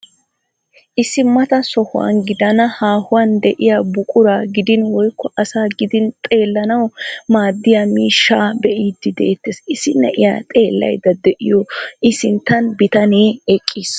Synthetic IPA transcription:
ʔɪsːɪmɐt̪ɐsɔhʊwɐ̰nɡɪd̪ɐnɐhaːhʊwɐnd̪ɛʔɪjaːbʊkʼʊɾaːɡɪd̪ɪnwɔjkːɔʔɐsaːɡɪd̪ɪnt̪ʼe̞ːlːɐnɐwmaːd̪ːɪjaːmiːʃːaːbɛʔiːd̪ːɪd̪ɛ̰ʔɛt̪ːeːsɪsɪnːɛ̰ʔɪja̰ːt̪ʼe̞ːlːɐ̰jd̪ɐd̪ɛʔɪjɔʔɪsɪnt̪ːɐnbɪt̪ɐneːɛkʼːiːs

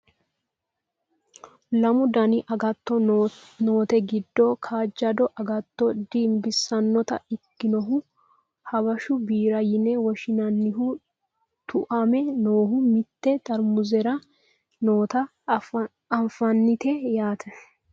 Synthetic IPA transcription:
lɐmʊd̪ɐnɪʔɐɡɐt̪ːɔno̞ːt̪ɛɡɪd̪ːɔkʰaːd͡ʒːɐd̪ɔʔɐɡɐt̪ːɔd̪iːmbɪsɐnːɔt̪ɐ̰ɪkːɪnɔɦʊ | hɐbɐʃʊbiːɾɐjɪnɛwɔʃɪnɐnːɪɦʊ | t̪ʰʊʔɐmɛno̞ːɦʊmɪt̪ːɛt̪ʼɐɾmʊzɛɾɐ | noːt̪ɐ | ɐɱfɐnːɪt̪ɛjaːt̪ʰɐ

